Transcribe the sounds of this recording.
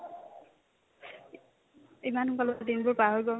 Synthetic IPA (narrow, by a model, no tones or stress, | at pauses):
imanukɔlɔdinbʊɹpaɦojɡɔ